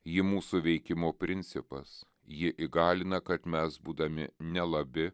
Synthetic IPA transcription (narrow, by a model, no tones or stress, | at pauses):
jɪmuːsuʋʲɛɪkʲɪmoːpʲɾʲɪnʲt̪sʲɪpɐs | jɪʔɪɡɑːlʲɪnɐkɐt̪mʲɛsbuːd̪ɐmʲɪnʲɛlˠɐbʲɪ